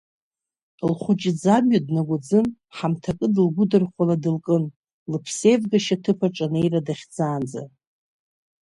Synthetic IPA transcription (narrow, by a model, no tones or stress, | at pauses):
lχʷʊt͡ʃʼɪd͡zamɥadnaɡʷʊd͡zɨn | ħamtʰakʼɨdɨlɡʷʊdɨrχʷaladɨlkʼɨn | lɨpʰse̞jvɡaʃatʰɨpʰaʈ͡ʂʼanejradaχʲd͡zaːnd͡za̰